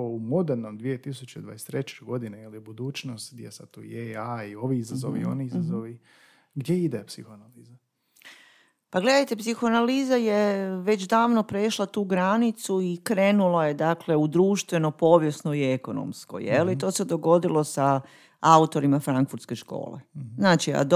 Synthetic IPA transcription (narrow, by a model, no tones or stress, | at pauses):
oumo̞d̪eɾnomd̪ʋijet̪isut͡ɕeḭd̪ʋa̰jest̪ɾet͡ɕeɡo̞d̪inejelibud̪uːt͡ʃnost̪ɡd̪jesad̪t̪ːuːeaio̞ʋiizazo̰ʋḭo̞̰niizazoʋi | ɡd̪jeid̪epsixoanaliːza | paɡle̞d̪ajt̪epsixoanaliːzajeʋe̞d͡ʑd̪aːʋnopɾeʃlˠat̪uːɡɾanit̪suikɾeːnulajed̪akle̞ud̪ɾuːʃt̪ʋe̞no̞po̞ːʋje̞snoieko̞no̰msko̞̰jɛlit̪o̞ːsed̪o̞ɡo̞d̪ilˠo̞sa | aut̪o̞ɾimafɾaŋkfuɾt̪ske̞ʃko̰ːlḛznaːt͡ʃia̰d̪